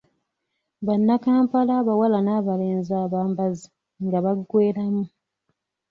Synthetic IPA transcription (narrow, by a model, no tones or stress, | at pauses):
βanːakaːmpalaːβawalanaːβale̞ːnzaːβaːmbazi | ŋɡaβaɡweːɾamu